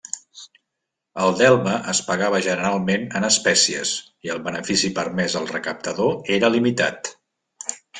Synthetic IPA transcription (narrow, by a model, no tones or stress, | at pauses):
əlˠd̪ɛlˠməʔəspəɣaβ̞əʒənəɾalˠmenənəspɛsiə̰s | iəlˠβənəfisipəɾmɛzəlˠrəkəp̚t̪əðoeɾəlimit̪a̰t̪